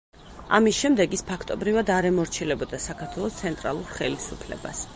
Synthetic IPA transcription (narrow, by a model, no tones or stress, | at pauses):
a̰misʃɛmd̪ɛɡispʰakʰt̪ʼɔbɾivad̪aɾɛmɔɾt͡ʃʰilɛbɔd̪asakʰaɾt̪ʰwɛlˠɔst̪sʰɛnt̪ʼɾa̰lˠuɾχɛlisupʰlɛ̰ba̰s